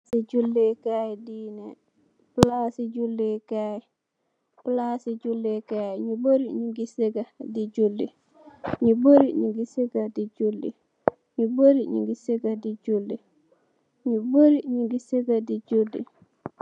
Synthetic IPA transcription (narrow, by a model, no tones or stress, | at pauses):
siɟulːikajdine | plasiɟulːikaj | plasid͡ʒulːikajɲuboɾiɲuɡiseɡadiɟulːḭ | ɲuboɾiɲuɡiseɡadid͡ʒulːḭ | ɲuboɾiɲṵɡiseɡadid͡ʒulːi | ɲuboɾiɲuɡiseɡadid͡ʒulːḭ